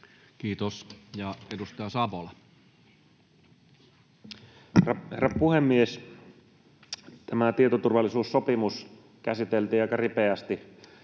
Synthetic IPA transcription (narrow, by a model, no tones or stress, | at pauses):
kiːt̪osjɑedust̪ɑjɑsɑʋolɑ | hrɑherɑpuhemːies | t̪æmæt̪ie̞t̪ot̪urʋɑlːˑisuːsːo̞pimus | kæsit̪elt̪iːɑˑjkɑripeæst̪i